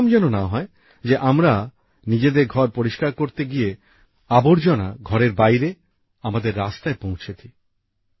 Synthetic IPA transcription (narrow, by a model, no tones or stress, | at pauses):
md͡ʑɛnonaɦɔe | d͡ʑeʔamɾa | nid͡ʑed̪eɾɡʱɔɾpoɾiʃkaɾkoɾt̪eɡie | aboɾd͡ʑona̰ɡʱɔɾeɾbajɾe | amad̪eɾːast̪aepõw̃t͡ɕʰet̪ʰi